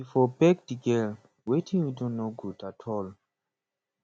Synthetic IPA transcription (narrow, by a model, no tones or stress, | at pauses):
ifɔbɛɡdiɡɛl | wetʰĩŋjidɔ̃nːoɡudatʰɔl